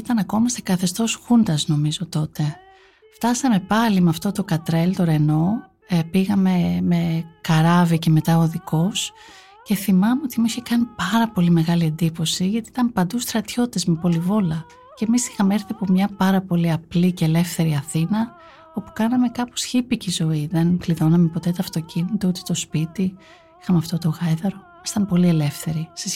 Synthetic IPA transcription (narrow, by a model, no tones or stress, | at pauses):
it̪ɐnɐko̞mɐst̪ekɐθe̞st̪o̞sxund̪ɐzno̞mizo̞t̪o̞t̪e̞ | ft̪ɐsɐme̞pɐlimeɐft̪o̞t̪o̞kɐt̪ɾe̞lt̪o̞ɾe̞no̞ | piɣɐme̞me̞kɐɾɐvice̞me̞t̪ɐoðiko̞s | ce̞θimɐme̞o̞t̪imuiçekɐnipɐɾɐpo̞lime̞ɣɐlie̞nd̪ipo̞siʝɐt̪iit̪ɐmpɐnd̪ust̪ɾɐt̪ço̞t̪it̪ezmepo̞livo̞lɐ | ce̞misi̥xɐmeeɾθiɐpo̞mɲɐpɐɾɐpo̞liɐplicele̞fθe̞ɾiɐθinɐ | o̞pu̥kɐnɐme̞kɐposçipicizo̞iðe̞nkliðo̞nɐme̞po̞t̪e̞t̪ɐɐft̪o̞cinit̪out̪e̥t̪o̞spit̪i | ixɐmeɐft̪o̞t̪o̞ɣɐjðɐɾo̞mɐsi̥t̪ɐmpo̞lie̞le̞fθe̞ɾise